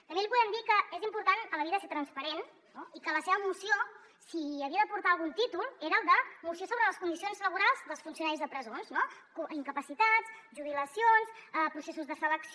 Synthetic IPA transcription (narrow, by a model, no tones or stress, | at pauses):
t̪əmbelipuðɛmd̪ikəezimpuɾt̪ankələβiðəset̪ɾənspəɾen | noikələseβəmusio | siəβiəðəpuɾt̪aːlˠɣunt̪it̪ulˠeɾəːlˠd̪əmusiosoβɾələskund̪isionzləβuɾalˠzðəlˠsfunsiunaɾizðəpɾəzonznokuiŋkəpəsit̪at͡sʒuβ̞iləsionsəpɾusesuzðəfələks